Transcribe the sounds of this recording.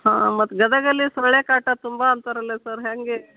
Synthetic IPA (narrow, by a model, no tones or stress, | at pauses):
ɦãːmɐt̪ɡɐd̪əɡəlisɾəɭekaʈat̪umbʱaːnt̪əɾəlesəɾɦaŋɡe